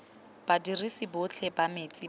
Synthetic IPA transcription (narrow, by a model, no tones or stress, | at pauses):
b̥adirisibʊt͡ɬʰɛbamet͡sʼi